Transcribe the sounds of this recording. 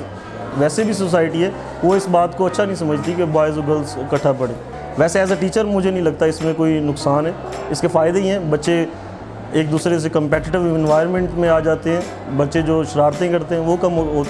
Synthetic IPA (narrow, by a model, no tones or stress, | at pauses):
ʋɛːsebʱis̬oːs̬aːɪʈiɦɛː | ʋoɪsbaːt̪koɐtːʃʰanəɦĩs̬ɐməd͡ʒʱt̪ikebaːɪzoɡəlzkɐʈʰːapɐɽẽː | ʋɛːseɛːs̬aʈiːt͡ʃəɾmʊd͡ʒʱenɐɦĩlɐɡ̚t̪aɪsmẽkoːinʊksaːnɦɛː | ɪskefaːɪd̪eĩɦɛ̃ːbɐtːʃe | eːk̚d̪uːsɾes̬ekə̃mpɛːʈɪʈɪʋnʋaːɪɾmɛ̃ɳʈmẽaːd͡ʒaːt̪eɦɛ̃ː | bɐtːʃed͡ʒoːʃɪɾaːɾt̪ẽkɐɾt̪eɦɛ̃ːʋokɐmɦoɦoː